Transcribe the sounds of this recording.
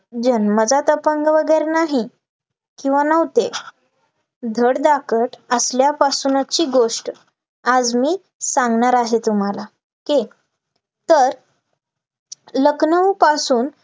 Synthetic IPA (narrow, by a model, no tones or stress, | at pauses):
d͡ʑənməd͡zat̪əpəŋɡʋəɡəjɾenaɦi | kĩw̃ʋanəʋt̪e | d̪ʱəɽd̪akəʈəsljapasunat͡ɕiːɡoʂʈ | ad͡zmiː | sãŋɡɳaɾaɦet̪um̤ala | ke | t̪əɾ | ləknəʋpasuːn